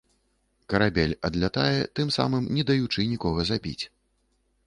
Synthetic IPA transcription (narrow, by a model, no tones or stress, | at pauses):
kɐɾabʲɛlʲɐd̪lʲat̪ajɛt̪ɨmsa̰mɨmnʲɛd̪ɐjut͡ʂɨnʲikɔɣɐzabʲḭt͡sʲ